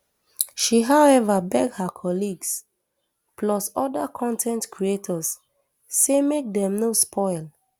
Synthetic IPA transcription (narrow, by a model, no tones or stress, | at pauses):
ʃiɦawɛvabɛɡhakʰɔliɡs | pʰlɔsɔdakʰɔ̃ntʰɛ̃ntkʰɹietʰɔsː | emek̚dɛ̃mnospʰɔɪl